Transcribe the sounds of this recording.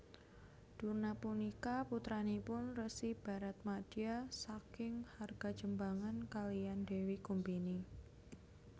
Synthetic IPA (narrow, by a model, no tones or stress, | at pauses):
d̥urnapunikaput̪ɾanipʊnrəsib̥a̤ɾat̪̚mad̥iasakɪŋharɡ̥ad̥d͡ʒəmbaŋankalijandewikumbini